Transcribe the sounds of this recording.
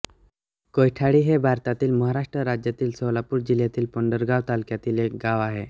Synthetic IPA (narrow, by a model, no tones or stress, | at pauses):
kojʈʰaɽiːɦebʱaɾt̪at̪iːlməɦaɾaʂʈɾəɾad͡ʑjat̪iːlsəʋlapuːɾd͡ʑiljat̪iːlpəɳɖəɾɡaʋt̪alkjat̪iːlek̚ɡaʋaɦe